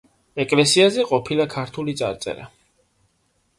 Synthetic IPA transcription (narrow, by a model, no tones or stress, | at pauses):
ɛkʼlɛsiazɛqʼɔpʰilakʰaɾt̪ʰulit̪sʼa̰ɾt̪sʼɛ̰ɾa̰